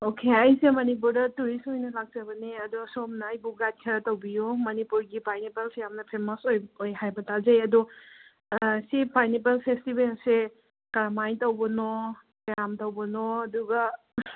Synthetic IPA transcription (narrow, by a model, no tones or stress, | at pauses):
okʰeɐjsemɐnip̬uɾdɐtuɾisojnɐlak̚t͡ʃɐbɐneɐdusomnɐːjbuɡat̚kʰeɾɐtɐwbijumɐnipuɾɡipajnipalsejamnɐpʰemɔsojojɦajbɐtazɐjɐdu | sipajnipalpʰestibelse | kɐɾamajtɐwbɐnɔ | kjamtɐwbɐnɔɐduɡɐ